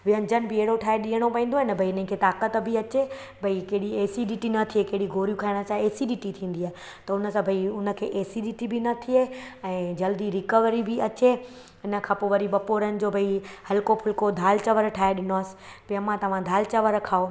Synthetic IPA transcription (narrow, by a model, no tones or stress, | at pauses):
ʋɪɦənɪd͡ʑənbɪeɦɽoʈʰaːeɗijəɽ̃opɐɦĩːnd̪oːɦɪnəbʱɐiɪnə̃ɪ̃kʰet̪aːkət̪bʱɪɐt͡ɕe | bʱɐikeɦɪɽieːsiɗiʈinɐt̪ʰiekeɦɪɽiɡʱoːɾijũkʰaɪɽ̃ət͡ɕaːeːsiɗiʈit̪ʰĩːn̆d̪iaːɦe | t̪ɐʊnə̆sãbʱɐiʊnə̆kʰeːʔeːsiɗiːʈibinɐt̪ʰieɛ̃ːd͡ʑɐld̪iɾɪkəʋɾibɪɐt͡ɕe | ɪnə̆kʰãːpoʋɐɾiɓɐpoːɾənɪ̆d͡ʑoːbʱɐihɐlkopʰʊlkod̪ʱaːlt͡ɕɐʋəɾʈʰaːeɗɪnoaːsɪ̥pɐəmãt̪ɐʋ̤ãd̪ʱaːlt͡ɕɐʋəɾkʰaːo